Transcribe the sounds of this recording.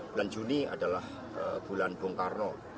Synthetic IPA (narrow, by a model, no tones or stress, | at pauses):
buland͡ʒunia̰dalah | əb̥ulanb̥ʊŋkarnɔ